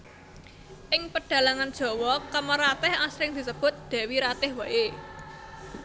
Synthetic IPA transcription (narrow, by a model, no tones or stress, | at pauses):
ʔɪŋpəɖ̥ä̤laŋand̥ʒ̥ɔ̤wɔkəməɾat̪ɪhasɾɪŋd̪̥i̤səb̥ʊ̤t̪̚d̪̥ɛ̤wiɾat̪ɪhwaʔe